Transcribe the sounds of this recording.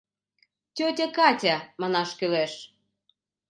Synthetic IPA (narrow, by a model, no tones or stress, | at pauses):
tʲot̪ʲə̆kɑtʲæmɑnɑʃkyleʃ